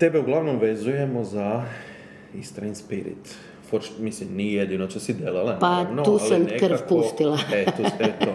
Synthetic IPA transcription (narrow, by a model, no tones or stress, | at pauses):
t̪ebeuɡlaʋnomʋezuje̞moza | ist̪ɾajnspiɾḭt̪ | foɾt͡ʃmislimnijed̪inot͡ʃosid̪elalanpanouːsamnekɾfput̪ilaet̪ut̪ebet̪o